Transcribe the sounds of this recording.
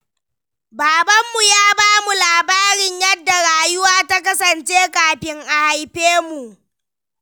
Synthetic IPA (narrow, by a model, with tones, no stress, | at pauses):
baː˨bɐ˦mːu˨jaː˦baː˦mu˨laː˨baː˦ɽɪ˦ɲjɐ˦dːa˨ɽaː˨jʊ˦waː˦ta˦kɐ˦sɐ˨nt͡ʃeː˦kʼaː˨ɸɪ˦ŋʔa˨ha˨jɸeː˦mu˨ʔ